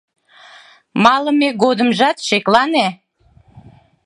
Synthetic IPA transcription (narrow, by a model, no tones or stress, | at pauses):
mɑləmeɡod̪əmʒɑt̪ʃeklɑne